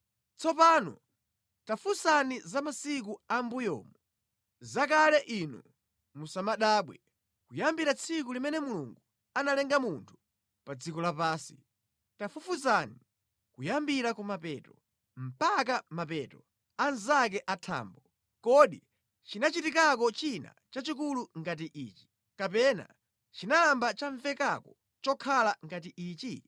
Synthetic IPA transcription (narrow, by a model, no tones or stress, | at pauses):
t͡sɔpaːnɔ̰ | tafusanizamasik̬uambujɔ̰ːmu | zakalɛʔinṵ | musamaɗaːɓwɛ | kujambiɾat͡sʰik̬ulimɛnɛmulṵŋɡu | analɛŋɡamuntʰu̥ | pad͡zikɔlapaːsi̥̰ | tafufusani | kujambiɾakumapɛːtɔ | m̩pak̬amapɛtɔ | anzak̬ɛʔatʰa̰ːmbɔ | kɔɗi | t͡ʃinat͡ʃitik̬ak̬ɔt͡ʃina̰t͡ʃat͡ʃik̬uluŋɡat̬iʔiːt͡ʃi̥ | kapɛna̰ | t͡ʃinalambat͡ʃaɱfɛkakɔ | t͡ʃɔkʰalaŋɡat̬iʔiːt͡ʃi